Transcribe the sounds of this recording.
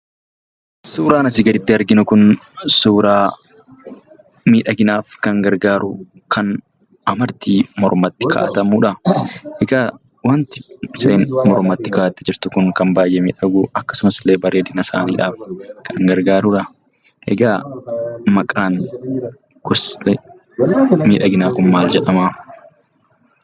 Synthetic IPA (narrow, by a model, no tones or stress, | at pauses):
suːɾaːnɐsɪɡɐlɪt̪ːɪɐɾɡɪnʊkʊnsuːɾaː | miːᶑɐɡɪnaːfkɐŋɡɐɾɡaːɾʊ | kʰɐn | ɐmɐɾt̪iːmɔɾmɐt̪ːɪ̥kʰa̰ːt̪ɐmuːᶑɐɛɡaː | wɐnt̪ɪseːnmɔɾmɐt̪ːɪkaːʔɐt̪ːɪd͡ʒɪɾt̪ʊkʊŋkɐmbaːjʔɛmiːᶑɐɡuːʔɐkːɐ̥sʊmɐsɪlːe̞ːbɐɾeːd̪ɪnɐsa̰ːnḭːᶑaːfkʰɐŋɡɐɾɡaːɾʊᶑɐ | ʔɛ̰ɡaː | mɐkʼaːn | ɡ̥ɔst̪ɛ | miːᶑɐɡɪnaːkʊmmaːld͡ʒɛᶑɐmaː